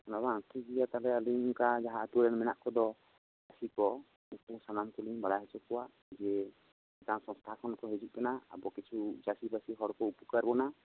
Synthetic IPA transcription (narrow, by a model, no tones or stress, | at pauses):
naβãt̪uɡijat̪alɛaliŋkad͡ʒaɦat̪uɾɛnmɛna̰ʔkɔd̪ɔ | d͡ʒasikɔ | upuŋsanamkuliŋbaɽaɦɛt͡ʃɔkɔwaʔ | d͡ʒɛ | ɛtaŋsɔ̃st̪ʰakʰɔnkɔɦɛd͡ʒuʔ̚kɛnaa̰bɔkit͡ʃʰud͡ʒasibasiɦɔɽkɔupukaɾbɔna